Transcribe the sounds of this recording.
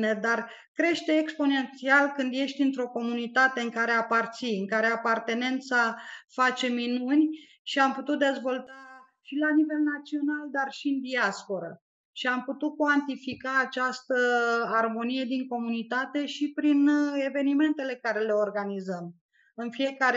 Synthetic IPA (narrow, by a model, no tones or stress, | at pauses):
ned̪ar | kɾe̞ʃt̪e̞ːkspo̞ne̞nt̪sialkɨnd̪je̞ʃt̪ʲint̪ɾo̞ko̞munit̪at̪e̞ɨŋkaɾe̞apart̪siɨŋkaɾe̞apart̪e̞ne̞nt̪safat͡ʃe̞minunʲ | ʃiamput̪ut̪̚d̪e̞zvo̞lt̪a | ʃilanive̞lnat̪sio̞nald̪arʃiɨnd̪iaspo̞ɾə | ʃiamput̪ut̪̚kwant̪ifikaːt͡ʃast̪əarmo̞nije̞d̪iŋko̞munit̪at̪e̞ʃipɾine̞ve̞nime̞nt̪e̞le̞kaɾe̞le̞o̞rɡanizəm | ɨnfie̞kaɾe